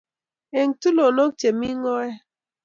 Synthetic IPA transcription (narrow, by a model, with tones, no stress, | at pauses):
e˨ŋtu˦lo˨no˦k̚t͡ʃe˨mi˦ŋɔ˦ɛ˦